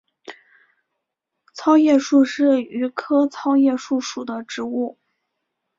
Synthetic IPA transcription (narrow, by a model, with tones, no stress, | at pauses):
t͡sʰɑ˥ʊjɛ˥˧ʂu˥˧ʂɻ̩˥˩y˧˥kʰɤ˥t͡sʰɑ˥ʊjɛ˥˧ʂu˥˩ʂu˨˩d̪ə˦ʈ͡ʂɻ̩˧˥u˥˩